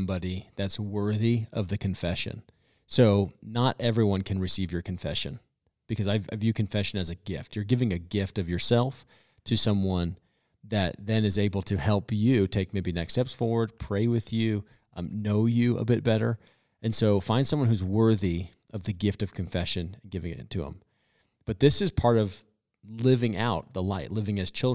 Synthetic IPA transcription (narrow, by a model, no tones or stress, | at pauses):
mbɑɾiðɨtswɜ˞ðiʌvðɨkʰɨ̃ɱfɛʃɨ̰̃n | soʊnəɾʔɛvɹiwʌ̃nkʰɨ̃n̩ɹɨsivjə˞kʰɨ̃ɱfɛʃɨ̰̃n | b̥ɨkʰʌzaɪvavjɨkʰɨ̃ɱfɛʃɨ̃nɨzɨɡɪftjə˞ɡɪvɪ̃ŋɨɡɪftʌvjə˞sɛlˠf | tʰɨsʌ̃mwʌ̃n | ðɨt̪̚ðɨ̃nɨzeɪbl̩ˠtʰɨhɛlˠpjʉtʰeɪk̚meɪbinɛkstɛpsfɔɹwə˞d̚pʰɹ̥eɪwɨðjʉ | noʊjɨə̰bɪt̚b̥ɛɾə˞ | ɨ̃nsoʊfãɪ̃nd̥sʌ̃mwʌ̃nhuzwɜ˞ði | ʔʌvðɨɡɪftʌv̥kʰɨ̃ɱfɛʃɨ̃nnɡɪvɪ̃ŋɪ̰tʰɨə̰̃m | b̥ʌt̪̚ðɪsɨz̥pʰɑɹɾʌv̥ | lɪvɪ̃ŋa̰ʊt̪̚ðəlaɪʔˡlɪvɪ̃ŋɨz̥t͡ʃʰɪlˠ